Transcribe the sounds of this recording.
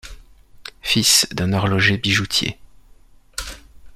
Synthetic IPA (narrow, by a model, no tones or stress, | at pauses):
fisd̪ɛ̃nɔʁlɔʒebiʒut̪ʰjḛ